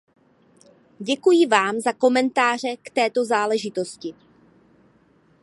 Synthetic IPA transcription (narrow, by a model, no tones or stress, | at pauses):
ɟɛkujɪvaːmzako̞mɛnt̪aːr̝ɛkt̪ɛːt̪o̞zaːlɛʒɪt̪o̞scɪ